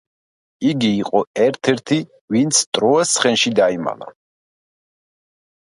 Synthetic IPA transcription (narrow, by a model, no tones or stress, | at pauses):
iɡiːqʼɔɛɾt̪ʰɛɾt̪ʰi | vint̪sʰt̪ʼɾɔasχɛnʃid̪aima̰la̰